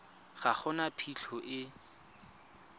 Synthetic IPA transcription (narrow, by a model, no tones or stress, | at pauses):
χaχʰʊnapʰiɬʰɔʔɪ